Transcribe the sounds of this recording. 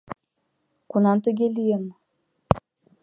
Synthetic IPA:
kunɑmt̪ə̆ɡʲelʲijen

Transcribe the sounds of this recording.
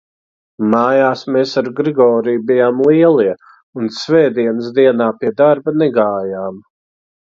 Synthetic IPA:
maːjaːsmeːsaɾɡɾiɡɔːɾijbijaːmlˠiɛlˠiɛ | unsvɛːd̪iɛnəs̬d̪iɛnaːpiɛd̪aɾbanɛɡaːjaːm

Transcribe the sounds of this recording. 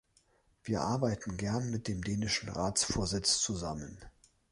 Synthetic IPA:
v̥iːɐʔaɐbaɪtn̩ɡɛɐnmɪt̚d̥eːmdeːnɪʃn̩ʁaːt͡sfoːɐzɪt͡st͡suzamən

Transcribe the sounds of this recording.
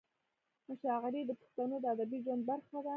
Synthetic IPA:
maʃɑɣaɾid̪əpʊ̥xt̪anod̪əad̪abiʒwand̪̚baɾxad̪a

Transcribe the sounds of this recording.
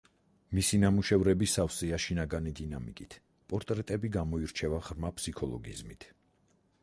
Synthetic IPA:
misinamuʃɛvɾɛbisafsiaʃinaɡanid̪inamikʼit̪ʰ | pʼɔɾt̪ʼɾɛt̪ʼɛbiɡamɔiɾt͡ʃʰɛvaʁɾmapʰsikʰɔlˠɔ̰ɡḭzmit̪ʰ

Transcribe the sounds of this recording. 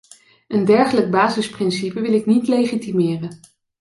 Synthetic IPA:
əndɛɹχələɡ̚baːzɪsprɪnsipəʋɪlɪknitlejχitimɪːrən

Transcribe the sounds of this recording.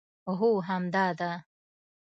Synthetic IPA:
oɦuɦamd̪aːd̪a

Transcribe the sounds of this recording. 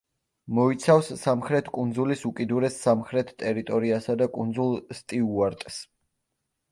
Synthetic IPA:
mɔit̪sʰafsːamχɾɛt̪ʰkʼund̪zulisukʼid̪uɾɛsːamχɾɛt̪ʰt̪ʼɛɾit̪ʼɔɾiasad̪akʼund̪zulˠst̪ʼiuaɾt̪ʼs

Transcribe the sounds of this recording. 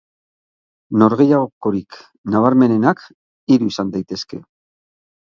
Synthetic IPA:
no̞ɾɣe̞jaɣoko̞ɾik | naβ̞aɾme̞ne̞nak | iɾuisand̪ajt̪e̞ske̞̰

